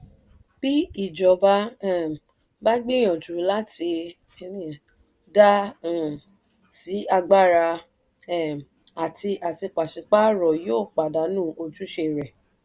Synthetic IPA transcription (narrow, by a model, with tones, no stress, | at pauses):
b̥i˦i˦˨d͡ʒɔ˨ba˦˨ | ba˦ɡ͡be˦j̃ɔ̃˨tu˨˦la˦ti˧ | nĩ˦a˨ | dã˦˨ | si˨˦a˧ɡ͡ba˦˨ɾa˧˨ | a˨ti˧ʔa˨ti˧k͡pa˨ʃi˨˦k͡pa˦ɾɔ˨joː˦˨k͡pa˨da˨˦nũː˦˨ʔo˧d͡ʒu˦ʃe˧˨ɾɛ˨